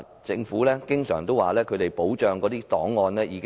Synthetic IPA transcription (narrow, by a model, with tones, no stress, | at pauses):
t͡sɪ˧ŋfuː˨˥lɛː˥kɪ˥ŋsœ̰ː˨˩ŋt̪o˥waː˨˩lɛː˥kʰɵ˨˧ɾe˨jpo˨˥wt͡ʃœː˨˧ŋkɔː˨˥t̪iː˥t̪ɔː˨˥ŋːɔː˧nlɛː˥jiː˨˧k